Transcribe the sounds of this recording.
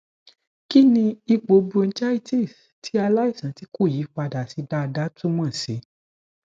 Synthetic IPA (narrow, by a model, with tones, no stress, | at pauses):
ki˦nĩ˧i˧ɡ͡bo˨˧bu˧n̩˦d͡ʒa˦i˦ti˦˨s | tʰi˨˦a˧la˦i˦˨sã˨˦ti˦ku˦˨jiː˨˦k͡pa˧da˨si˨˧˦da˦˧da˦tũ˦mã˦˨se˨˦